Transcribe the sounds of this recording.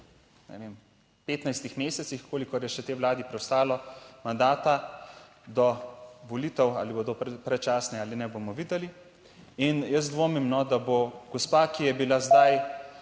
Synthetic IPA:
nɛ̰ʋem | peːt̪najst̪ixmeːsɛt̪sixkoːlikɔɾjɛʃɛt̪eːwlaːd̪ipɾɛwst̪aːlɔmand̪aːt̪a | d̪ɔʋɔliːt̪ɛwa̰ːlibod̪opɾɛt͡ʃaːsnɛaːlinɛbomɔʋiːd̪ɛli | injəzd̪ʋoːmimnɔd̪aboɡ̥ɔspakijɛbilazd̪aj

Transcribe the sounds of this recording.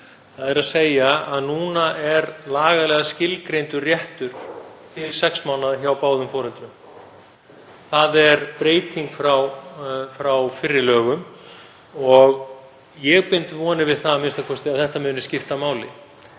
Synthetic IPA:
θaðɛɾaðseːjaaðnuːnaʔɛɾlaːɣaðlɛːɣascɪlkɾejnt̪ʏrjɛht̪ʏɾ̥t̪ʰɪlsɛksmaːwnaðçawpaːwðʏmfɔːɾɛnt̪ɾʏm | θaðɛɾpɾeːjt̪iŋkfɾawfɾawfɪrːɪlœːɣʏm | ɔɣ | jɛɣpɪnt̪vɔːnɪvɪðθamɪnst̪akʰɔst̪ɪaðθɛht̪amʏːnɪscɪft̪amaːwlɪ̰

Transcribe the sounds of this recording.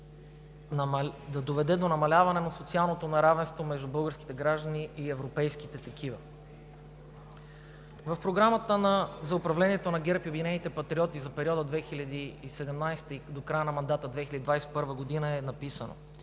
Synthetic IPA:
d̪ɐd̪ovɛd̪ɛd̪onɐmɐlʲavɐnɛnɐsot̪sialˠnot̪onɐɾavɛ̃nst̪vomɛʒd̪ubɤlˠɡəɾski̥t̪ɛɡɾaʒd̪əniːɛvɾopɛjskit̪ɛt̪ɐkʰivə̰ | vɐfpɾoɡɾamət̪ənɐzɐʊpɾɐvlɛnʲiɛt̪onɐɡɛɾpiobinɛnit̪ɛpɐt̪ɾiɔt̪izɐpɛɾʲiɔd̪əd̪vɛxilʲɐd̪iːsɛd̪ɛmnajst̪əid̪okɾajənɐmɐnd̪at̪əd̪vɛxilʲɐəd̪id̪vajspɤɾvəɡod̪inəɛnɐpisəno̰

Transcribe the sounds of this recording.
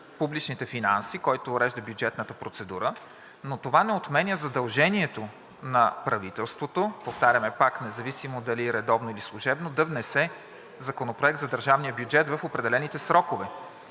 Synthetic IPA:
publit͡ʃnit̪ɛfinansikɔjt̪oːɾɛʒd̪əbjud͡ʒɛt̪nət̪əpɾot̪sɛd̪uɾə | not̪ovanɛot̪mɛnʲjəzɐd̪ɐlˠʒɛniɛt̪o | nɐpɾɐvit̪ɛlˠst̪vot̪opoft̪aɾʲjəmɛpaknɛzɐvisimod̪ɐliɾɛd̪ɔvnoilislˠʊʒɛbnod̪ɐvnɛsɛ | zɐkonopɾoɛk̚t̪zɐd̪əɾʒavnijəbjud͡ʒɛt̪vəfopɾɛd̪ɛlɛnit̪ɛsɾɔkovɛ

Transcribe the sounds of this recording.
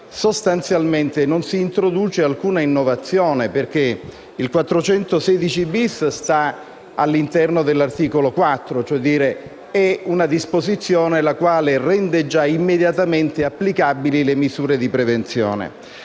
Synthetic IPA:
sost̪ant̪sjalment̪enonsiːnt̪ɾod̪uːt͡ʃealkuːnainːovat̪sːjoːneperk̟e | ilkwat̪ːɾot͡ʃɛnt̪osɛd̪it͡ʃibisst̪a | alːint̪ɛrnod̪elːart̪iːkolokwat̪ːɾot͡ʃoɛd̪iːɾe | ɛunad̪ispozit̪sːjoːnelakwaːlerɛnd̪ed͡ʒaimːed̪jat̪ament̪eapːlikabililemizuːɾed̪ipɾevent̪sjo̰ːnḛ

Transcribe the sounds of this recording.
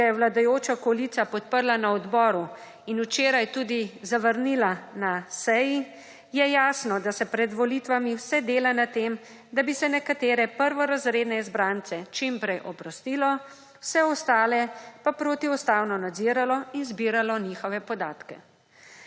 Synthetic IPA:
jɛwlad̪ajoːt͡ʃaɔkɔlit̪sapɔt̪pəɾlanaɔd̪bɔːɾu | inut͡ʃeːɾajt̪uːd̪izaʋəɾnilanasɛji | jɛjaːsnɔd̪asɛpɾɛd̪ʋɔlit̪ʋamiwsɛd̪eːlanat̪eːm | d̪abisɛnɛkat̪eːɾɛpəɾʋɔɾazɾeːd̪nɛizbɾant̪sɛt͡ʃimpɾɛjʔɔpɾɔst̪iːlɔ | wsɛɔst̪aːlɛpapɾoːt̪iust̪aːwnɔnad̪ziːɾalɔinzbiːɾalɔniːxɔʋɛpɔd̪aːt̪kɛ̰

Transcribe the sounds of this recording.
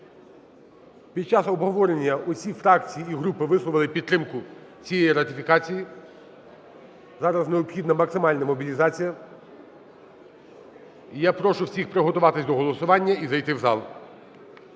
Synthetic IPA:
pʲid̪̚t͡ʃɑsɔbɦɔʋɔɾenʲːɐʔʊsʲifɾɑkt͡sʲijiiɦɾupɪʋɪslˠɔʋɪlˠɪpʲid̪t̪ːɾɪmkʊt͡sʲijejiɾɐt̪ʲɪfʲikɑt͡sʲiji | zɑɾɐzneɔpxʲid̪nɐmɐksɪmɑlʲnɐmɔbʲilʲizɑt͡sʲijɐ | japɾɔʃʊwsʲixpɾɪɦɔt̪ʊʋɑt̪ɪsʲd̪ɔɦɔlˠɔsʊʋɑnʲːɐizɐjt̪ɪwzɑ̰lˠ

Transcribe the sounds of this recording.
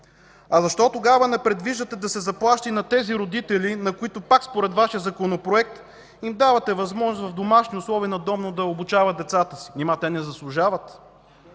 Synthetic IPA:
ɐzɐʃt̪ɔt̪oɡavənɛpɾɛd̪viʒd̪ət̪ɛd̪ɐsɛzɐplˠaʃt̪əinɐt̪ɛziɾod̪it̪ɛlinɐkʊit̪ʊpakspoɾɛt̪vaʃijəzɐkonopɾoɛk̚t̪ | imd̪avɐt̪ɛvɐzmɔʒnʊsvɐvd̪omaʃniʊslˠɔviːnɐd̪ɔvnod̪ɐobut͡ʃavət̪d̪ɛt̪sat̪əsi̥nɛmat̪ɛnɛzɐslˠʊʒavət̪

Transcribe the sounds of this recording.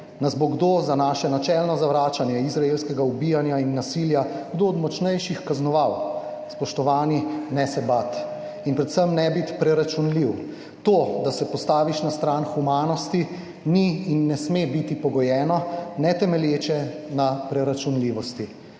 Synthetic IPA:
nazboɡd̪ozanaːʃɛnat͡ʃɛlnɔzaʋɾaːt͡ʃanjɛizɾaelskɛɡaubijanjainːasiljaɡd̪oɔd̪mɔt͡ʃnɛjʃixkaznɔʋaw | spɔʃt̪ɔʋaːninɛsɛbat̪ | inpɾɛt̪səmnɛbit̪pɾɛɾat͡ʃunliw | t̪od̪asɛpɔst̪aːʋiʃnast̪ɾaːnxumaːnɔst̪i | niːnːɛsmebit̪ipɔɡɔjɛːnɔnɛt̪ɛmɛljeːt͡ʃɛnapɾɛɾat͡ʃunliːʋɔst̪i

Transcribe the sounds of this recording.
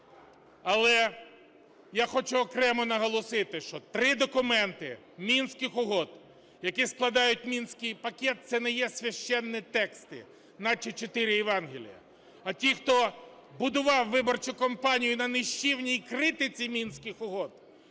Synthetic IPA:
ɐlˠɛ | jaxɔt͡ʃʊɔkɾɛmɔnɐɦɔlˠɔsɪt̪ɪʃt͡ʃɔt̪ɾɪd̪ɔkʊmɛnt̪ɪ | mʲinsʲkɪxʊɦɔd̪ | jɐkisklˠɐd̪ɑjʊt̚ʲmʲinsʲkɪjpɐkʲɛt̪̚t̪sɛnɛjɛsʲʋʲɐʃt͡ʃɛnːɪt̪ɛkst̪ɪ̰ | nɐt͡ʃɔt͡ʃɔt̪ɪɾɪjɛʋɑnɦɪlʲḭjɐ̰ | ɐtʲixt̪ɔ | bʊd̪ʊʋɑwːɪbɔrt͡ʃʊkɔmpɑnʲijʊnɐnɪʃt͡ʃiwnʲijkɾɪt̪ɪt͡sʲimʲinsʲkɪxʊɦɔd̪

